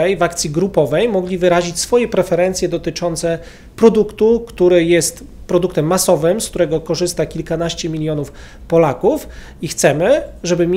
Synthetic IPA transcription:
ɛjvakt̪sʲjiɡɾupɔvɛjmɔɡlʲivɘɾaʑit͡ɕsfɔjɛpɾɛfɛɾɛnt̪sʲjɛd̪ɔt̪ɘt͡ʂɔnt̪sɛ | pɾɔd̪ukt̪ukt̪uɾɘjɛst̪ | pɾɔd̪ukt̪ɛmːasɔvɘmskt̪uɾɛɡɔkɔʐɘst̪akʲilkanaɕt͡ɕɛmʲilʲjɔnuf | pɔlakuf | ixt̪sɛmɘʐɛbɘmʲ

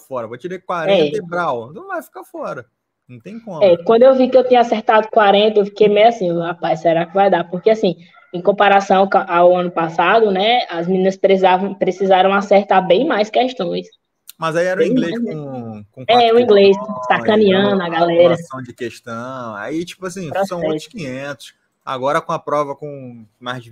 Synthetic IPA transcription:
fɔɾɐvot͡ʃiɾekwaɾɛebɾawd̪ɐ̃vafi̥kafɔɾɐ | nũw̃t̪ẽj̃kõmɛkwɐ̃d̪ʊewvikɪewt̪ĩɲɐaseɾt̪ad̪ʊkwaɾẽnt̪ɐewfi̥kejmeasĩʊhapajssɛɾakɪvajd̪apohkeasĩ | ẽj̃kõpaɾasɐ̃w̃kʔawɐ̃nʊpasad̪ʊnɛɐzmĩnĩnɐspɾezavɐ̃w̃pɾesizaɾɐ̃w̃aseɾt̪aɾbẽj̃majskɛʃt̪õj̃s | mɐzaiɛɾũɡleũkõɛũĩɡlejsakɐ̃nĩɐ̃ɐɡalɛɾɐt̪ɐ̃w̃d͡ʒɪkeʃt̪ɐ̃w̃a̰it͡ʃi̥pʊasĩpɾɔsɐ̃w̃ɛskĩɲẽnt̪ʊ̥s | a̰ɡɔɾɐkõɐpɾɔvɐkõmajzd͡ʒɪ

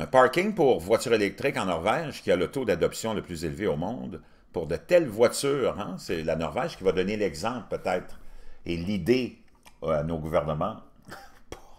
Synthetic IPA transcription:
pɑʁkʲɪ̃ŋpuʁvwat͡syʁelɛk̚t̪ʁɪkɑ̃nɔʁvɛʒkʲialət̪od̪ad̪ɔpsjɔ̃ləplyzelveomɔ̃d̪ | puʁd̪ət̪ɛlvwat͡syːʁɛ̃sɛlanɔʁvɛʒkʲivad̪ɔnelɛɡzɑ̃ːplpøt̪ɛːt̪ʁelid̪e | anoɡuvɛʁnəmɑ̃ | puʁ

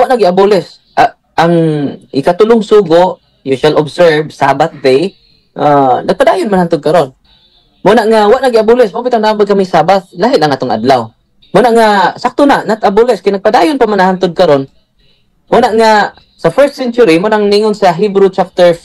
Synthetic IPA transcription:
waʔnaɡɪabulɛs | a | aŋʔɪkat̪ʊlʊŋsuɡʊʔ | juʃalɔbsɛɹvsabaθd̪ej | ʔanaɡ̚pad̪aːjʊnmanhant̪ʊd̪̚kaɾon | monaʔŋawaʔnaɡɪʔabulɛsmapɪt̪aŋnaambalkamisaːbaθ̚laɦɪlaŋʔaːt̪ʊŋʔa̰d̪law | monaʔŋasak̚t̪ʊnaʔnat̪abʊlɛskajnaɡ̚padaːjʊnpamanahant̪ʊd̪̚kaɾon | monaʔŋa | safɛɹst̪sɛnt͡ʃʊɾimonaʔŋniŋʊnsaɦibɾut͡ʃap̚t̪ɛɹ

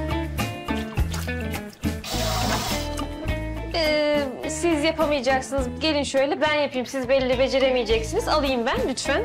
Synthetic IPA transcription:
sizjapʰamɯjad͡ʒaksɯnɯzɟe̞lʲinʃø̞jlʲɛbænjapʰɯjɯmsizbɛlʲiːɛbe̞d͡ʒe̞ɾemijed͡ʒɛcsinizalˠɯjɯmbænlyt͡ʃmæn

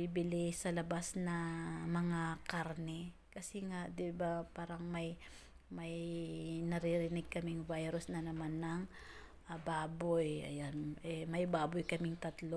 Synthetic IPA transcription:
bibɪlɪsɐlɐbasnɐmɐŋakaɾnɛ | kɐsɛŋaʔd̪ɪbapaːɾɐŋmɐj | mɐjnɐɾɪɾɪnɪɡ̚kɐmɪŋvajɾʊsnɐnɐmanːɐŋ | ʔabaːbojɐ̰janʔɛmɐjbaːbʊjkɐmɪŋt̪ɐt̪lo

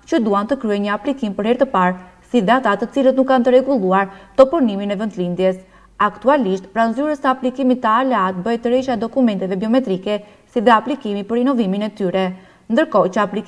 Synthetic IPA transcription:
t͡ɕəd̪uant̪əkɾyɛɲəaplikimpəɾhɛɾt̪əpaɾsiðɛat̪at̪ət͡silət̪nukːant̪əɾɛɡulˠuaɾt̪ɔpuɾniminɛvənd̪lind̪jɛs | akt̪ualiʃt̪pɾanzyɾəsəaplikimit̪ːəalɛat̪bəjt̪əɾɛʃaɛd̪ɔkumɛnt̪ɛvɛbiɔmɛt̪ɾikɛ | siðɛaplikimipəɾinɔviminɛt̪yɾɛ | nd̪əɾkɔt͡ɕəapli

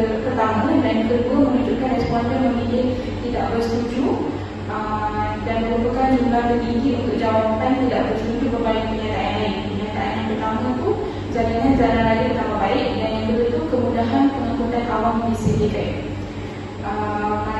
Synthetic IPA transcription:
k̪ərt̪amãdankəduəmənud͡ʒʊt̪̚kanrɛspɔndəməmilɪk̚ | t̪ida̰ʔbərst̪ud͡ʒu | ə | danbəɡupəkad͡ʒiməlahb̪əbiŋɡɪʔ̪unt̪ʊk̚d͡ʒawapt̪ant̪idaʔbərst̪ud͡ʒubərbalɪk̚məɲat̪aaʔaanəɲat̪aaanpərt̪amãt̪u | zalaŋanzananaɡaʔt̪amabaɪʔdanjaŋkəbət̪ulkəmudaɦanpəŋakut̪ankawaŋdisidiɡaiʔ | ʔə

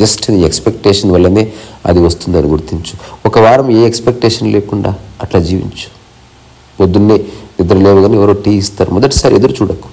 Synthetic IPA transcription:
d͡ʒɐsʈniekspek̚ʈeːʂɐnʋɐlːɐneːɐ̰d̪iʋɐst̪und̪iɐnuɡuɾt̪iɲt͡ʃu̥ɔkɐʋaːɾɐmeːekspek̚ʈeːʂɐnleːkuɳɖa̰ːɐʈlaːd͡ʒiːʋḭɲt͡ʃu̥ | pod̪ːunːeːid̪ɐɾulɛːʋɐɡaːniɛʋɐɾoːʈiːist̪aːɾumɔd̪ɐʈːi̥saːɾied̪ɐɾut͡ʃuːɽɐkːu̥

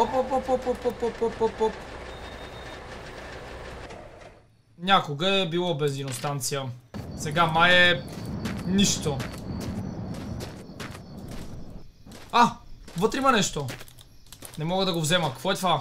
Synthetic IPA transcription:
opɔpopɔpɔpːɔpːɔpːɔpːɔpːɔp | nʲakoɡəɛbilˠɔbɛnzinost̪ant̪sijəsɛɡamajɛ | niʃt̪o | avɤt̪ɾimɐnɛʃt̪o | nɛmɔɡəd̪ɐɡovzɛməkɐkvɔɛt̪va

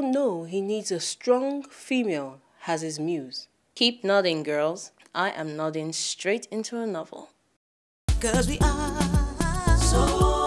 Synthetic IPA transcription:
noʊinidzəstɹ̥ɔ̃ŋfimeɪlˠ | ɨzɪzmjʉz̥ | kʰip̚nɑɾɪ̃ŋɡɜ˞lˠz̥ | ʔaɪʔɨ̃mnɑɾɪ̃ŋstɹ̥eɪtɪ̃ntʰuənɔv̰l̩ˠ | kʌzwiʔa | so

